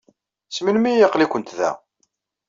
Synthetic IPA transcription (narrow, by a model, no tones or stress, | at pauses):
smilmijəqlikʷənt̪ðæ̰